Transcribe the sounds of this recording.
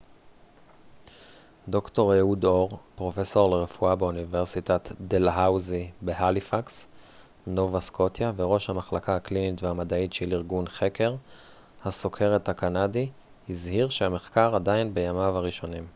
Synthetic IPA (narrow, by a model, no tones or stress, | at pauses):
d̪o̞kto̞ʁjeudoʁpʁo̞fe̞so̞ʁle̞ʁefuabeuniveʁsitatd̪elɦawzibeɦalifaks | novaskʰo̞tjave̞ʁo̞ʃhamaχlakʰahaklinitvehamadaitʃeliʁɡunχe̞kʰe̞ʁ | haso̞kʰe̞ʁethakanadi | hizhiʁʃehame̞χkaʁadainbe̞jamamaʁiʃo̞nim